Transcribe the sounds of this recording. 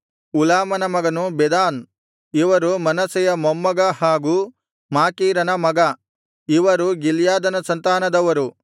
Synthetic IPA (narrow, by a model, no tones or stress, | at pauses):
ulaːmɐnɐmɐɡɐnubɛd̪aːn | iʋɐɾumɐnɐsɛjɐmomːɐɡɐhaːɡu | maːkiːɾɐnɐmɐɡɐ | iʋɐɾuɡiljaːd̪ɐnɐsɐnt̪aːnɐd̪ɐʋɐɾu